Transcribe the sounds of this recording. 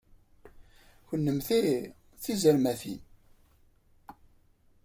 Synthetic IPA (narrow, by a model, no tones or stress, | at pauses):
çənːəmθi | θizəɾmæθḭn